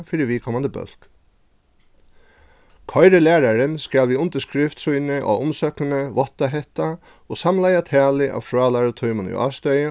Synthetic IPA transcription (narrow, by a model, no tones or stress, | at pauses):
fiɾɪʋiːkʰɔmand̪əbœ̰lk | kʰɔɪɾəlæːɾaɾənskælʋiːʊnt̪əʂkɾɪft̪sujnəʔa̰ːʊmsœknənəʋɔt̪aɦɛht̪a | oːsamlajat̪ʰæːlɪʔɑ̰ːʋfɹɑːlɑɹət̪ʰɔʏmənʏ̰ʔɑ̰ːst̪œjə